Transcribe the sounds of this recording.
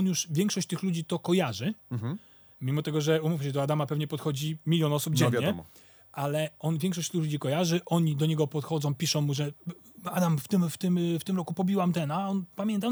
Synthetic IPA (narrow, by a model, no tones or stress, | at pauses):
ɔnjuʂvʲjɛ̃ŋkʂɔɕt͡ɕt̪ɘxlud͡ʑit̪ɔkɔjaʐɘ | mʲimɔt̪ɛɡɔʐɛumufmɕɛd̪ɔad̪amapɛvɲɛpɔt̪xɔd͡ʑimʲilʲjɔnɔsubd͡ʑɛɲvjɲɛ | ʔalɛɔnvʲjɛ̃ŋkʂɔɕt͡ɕt̪ɪxlud͡ʑikɔjaʐɘʔɔɲid̪ɔɲɛɡɔpɔt̪xɔd̪zɔ̃w̃pʲiʂɔ̃w̃mːuʐɛ | ad̪amft̪ɘmft̪ɘmft̪ɘmɾɔkupɔbʲiwamt̪ɛnaɔnpamʲjɛnt̪a